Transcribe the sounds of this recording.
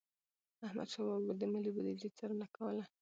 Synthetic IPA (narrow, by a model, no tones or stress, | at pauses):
ahma̰d̪ʃawabd̪əmɪlibad̪id͡ʒit͡saɾənakawəla